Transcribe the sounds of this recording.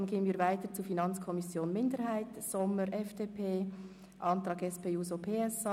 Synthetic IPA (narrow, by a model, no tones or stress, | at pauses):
nɡ̥eːənviːɾvaɪtəɾt͡sufinɑnt͡skʰɔmɪsjoːnmɪndəɾɦaɪtsɔməɾʔɛfd̥eːpʰeː | ʔɑntʁɑːɡɛspeːuːzopʰeːɛs